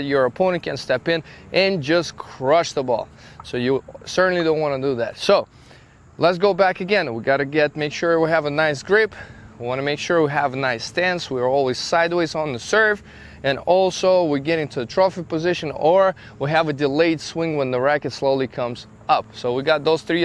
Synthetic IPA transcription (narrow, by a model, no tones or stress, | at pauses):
t͡ʃə˞ɨpʰɔ̃nɨ̃nkʰɨ̃nstɛpɪ̃nʔɨ̃nd͡ʒʌskʰɹ̥ʌʃðəbɔ̰lˠ | soʊjɨsɜ˞ʔn̩lidõʊ̃nʔwɑ̃nɨdɨðæ̰tsoʊ | lətsɡ̥oʊbækɨɡɛ̃nwiɡɑɾɨɡɛt̚meɪkʃʊɹwiɨvənaɪs̬ɡ̥ɹɪpwiwɑ̃ñɨmeɪkʃʊɹwiəvnaɪstæ̃nswiə˞ɔlˠwiz̥saɪd̚weɪzn̩ðɨsɜ˞v | ɨ̃nɔlˠsoʊwiɡɛɾɪ̃ntʰʉðɨtʰɹ̥ɔfɨt̚pɨzɪʃɨ̃nə˞ | wiɨvɨdɨleɪd̥swɪ̃ŋwə̃nðəɹækɨtsloʊlˠikʰʌ̃mz | ʌp̚soʊwiɡɑt̪̚ðoʊz̥θɹi